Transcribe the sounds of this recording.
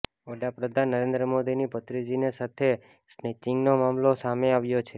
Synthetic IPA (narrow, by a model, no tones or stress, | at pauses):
ʋəɽapɾəd̪ʱanːəɾend̪ɾəmod̪inipət̪ɾid͡ʒinesat̪ʰe | snet͡ʃiŋɡnomamlosameaʋjot͡ʃʰe